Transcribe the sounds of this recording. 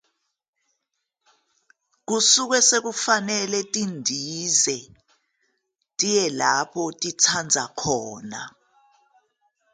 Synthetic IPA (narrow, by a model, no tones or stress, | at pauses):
k̬usuk̬wɛsek̬ufanɛlɛtʼindʱizɛ | tʼijɛlapʰɔtʼitʰand͡zʱakʰɔːna̰